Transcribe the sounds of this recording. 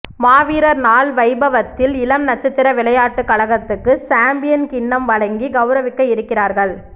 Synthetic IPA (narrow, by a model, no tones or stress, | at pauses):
maːʋiːɾɐɾnaːɭʋɐɪbɐʋɐt̪ːɪlɪlɐmnɐt͡ʃːɐt̪ːɪɾɐʋɪɭɐjaːʈːɯkɐɭɐɣɐt̪ːɯkːɯsaːmbɪjɐnkɪnːɐmʋɐɭɐŋɡiɡɐʊɾɐʋɪkːɐjɪɾɯkːɪraːɾɣɐɭ